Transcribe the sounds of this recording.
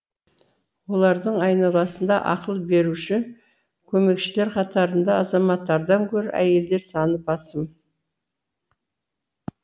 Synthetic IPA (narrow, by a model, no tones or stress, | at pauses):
wo̞lˠɑɾd̪əɴɑjnɑlˠɑsənd̪ɑʔɑ̰qəlˠbe̞ɾuʃɪ | kʲʰɵme̞kʃɪle̞ɾqʰɑt̪ɑɾənd̪ɑɑzɑmɑt̪ːɑɾd̪ɑŋkʲʰɵɾɪʔæ̰je̞ld̪e̞ɾsɑnəpɑsəm